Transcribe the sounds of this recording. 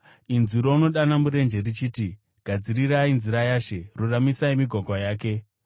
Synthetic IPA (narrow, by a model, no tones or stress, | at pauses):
inzuɾouno̞ɗanamuɾe̞nd͡ʒe̞rit͡ʃiːti | ɡ̥ʱad͡ziɾiɾainziɾajaːʃe̞ruramisaimiɡʱwaɡʱwajaːk̬e̞